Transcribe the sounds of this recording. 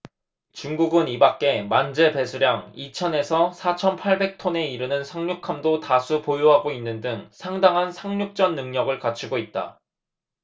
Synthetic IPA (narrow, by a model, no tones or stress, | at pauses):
t͡ɕuŋɡuɡɯnibak͈̚e̞mand͡ʑe̞pe̞sʰuɾjaŋit͡ɕʰʌne̞sʰʌsʰat͡ɕʰʌnpʰaɭbe̞k̚tʰone̞iɾɯnɯnsʰaŋɲukʰamdotasʰupojoɦaɡoinːɯndɯŋsʰaŋdaŋɦansʰaŋɲuk̚t͡ɕ͈ʌnːɯŋɲʌɡɯɭkat͡ɕʰuɡoit̚t͈a̰